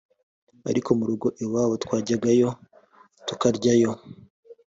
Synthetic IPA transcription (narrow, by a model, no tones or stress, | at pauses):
a̰ɾikomuɾuɡo̞ʔewaːwotwaːɟaɡajo̞ | tukaɾɟajo̞